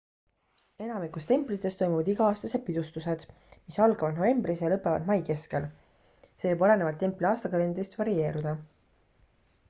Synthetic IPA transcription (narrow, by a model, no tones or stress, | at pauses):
e̞nɑmikust̪e̞mplit̪ːˑe̞st̪o̞jmuvɑd̪iɡ̥ɑɑːst̪ɑse̞d̥̪̚pid̪̥ust̪use̞d̪̥ | misɑlɡɑvɑd̪nove̞mbrisjɑlɤpːˑe̞vɑ̰d̪mɑjke̞ske̞l | seːɤbɑle̞nevɑlt̪ːe̞mpliɑːst̪ɑkɑlend̪rist̪vɑɾie̞ːɾud̪̥ɑ